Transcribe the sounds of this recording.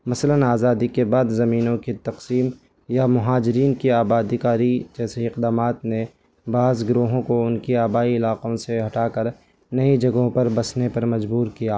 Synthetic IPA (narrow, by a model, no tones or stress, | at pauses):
mɐslənaːzaːd̪ikebaːd̪zɐmiːnõkit̪ɐqsiːm | jamʊɦaːd͡ʒɪɾiːnkiaːbaːd̪ikaːɾid͡ʒɛːseɪqd̪aːmaːt̪ne | baːzɡɾoːɦõkoʊnkiaːbaːiɪlaːqõseɦɐʈaːkəɾ | nɐid͡ʒɐɡõpɐɾbɐsnepɐɾmɐd͡ʒbuːɾkijaː